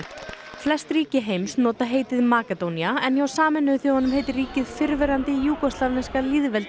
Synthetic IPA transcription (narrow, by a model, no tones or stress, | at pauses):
flɛst̪riːcɪɦejmsnɔːt̪aɦeːjt̪ɪðmaːkɛt̪owniaɛnjawsaːmɛnʏʏθihɔnːʏmheːjt̪ɪriːcɪðfɪɾvɛɾant̪ɪjuːkɔslavnɛnskaliðvɛlt̪